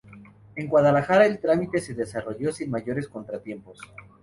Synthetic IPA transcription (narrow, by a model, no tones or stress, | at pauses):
e̞ŋɡwaðalaxaɾaelt̪ɾamit̪e̞se̞ðe̞saro̞ʝo̞sinmaʝo̞ɾesko̞nt̪ɾat̪je̞mpo̞s